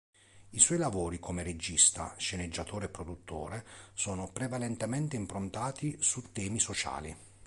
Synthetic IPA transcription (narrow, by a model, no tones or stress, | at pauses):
iswɔjlavoːɾikʰomeɾed͡ʒist̪a̰ʃened͡ʒːat̪oːɾeɛpːɾod̪ut̪ʰːo̰ːɾesɔːnopɾevalɛnt̪emɛnt̪eimpɾont̪aːt̪isut̪ːɛːmisot͡ʃa̰ːlḭ